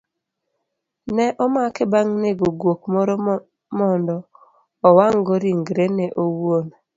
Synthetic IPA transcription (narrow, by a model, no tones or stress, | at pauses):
nɛʔɔmakɛbaŋneɡoɡwok̚mɔɾɔ | mɔndɔː | waŋɡoɾiŋɡɾenɛʔowon